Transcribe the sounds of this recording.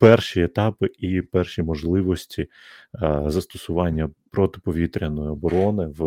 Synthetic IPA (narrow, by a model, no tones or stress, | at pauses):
pɛrʃiet̪ɑpɪipɛrʃimɔʒlˠɪʋɔsʲtʲi | zɐst̪ɔsʊʋɑnʲːɐpɾɔt̪ɪ̥pɔʋʲit̪ɾʲɐnɔjɪɔbɔɾɔnɪw